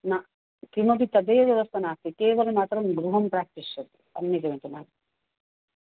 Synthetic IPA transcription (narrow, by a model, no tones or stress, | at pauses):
na | kɾimɐbit̪ːɐd̪eːʋjɐʋɐst̪ʰɐnaːkt̪ikeːʋɐlemaːt̪ɾɐmɡɾuɦɐmpɾaːk̚t̪iʃjɐt̪i̥ɐ̰nːikɐʋet̪unaːn